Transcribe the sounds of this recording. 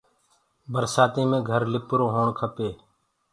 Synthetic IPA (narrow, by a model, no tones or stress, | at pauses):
bəɾsaːt̪ĩːmẽːɡʱəɾlɪpɾoːɦoːɳkʰəpeː